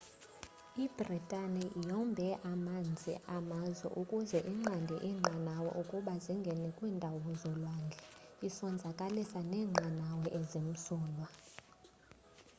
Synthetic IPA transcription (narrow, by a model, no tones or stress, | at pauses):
ib̥ʱritʼanɛjɔmbʱɛʔamand͡zʱḭʔamazwɛ̰ʔukʼuzɛʔiŋ͡ǁandʱɛʔiŋ͡ǁanawɛ̰ʔukʼuɓaziŋɡʱɛnɛkʼwindʱawuzɔlwaŋɡʱɛisɔnd͡zʱakʼalisanɛːŋ͡ǃʱanawɛʔezim̩sɔːlwa